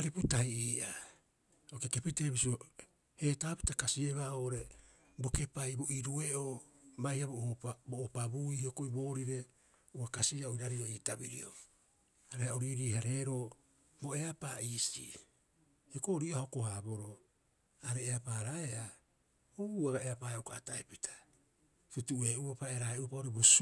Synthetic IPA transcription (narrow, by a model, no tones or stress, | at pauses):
aɾiputaiʔiːʔa | okeke̞pite̞βisio | he̞ːtaːpitakasieβaoːʔoɾe̞ | bo̞ke̞pajbo̞ʔiɾue̞ʔobajhiabooboʔːpabuihiokoibo̞ːɾiɾe̞ | uakasiaoiɾaɾioiːtabiɾḭo̰ | aɾehaoɾiɾiːhaɾe̞ːɾo̞ | bo̞e̞apaiːsḭ | hokoɾiʔohaokohabo̞ɾo̞ | aɾe̞ːapaɾaea | oβuaɡae̞apaokaataepitʰḁ | tutuʔe̞ʔupapaeɾaeʔupaoɾebos